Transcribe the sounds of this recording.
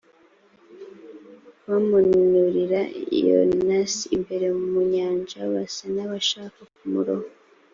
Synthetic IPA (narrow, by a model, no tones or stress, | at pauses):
βamununuɾiɾaḭjo̰nnasimbe̞ɾe̞mumuɲaːɲd͡ʒaβasanaβaʃaːkakumuɾoho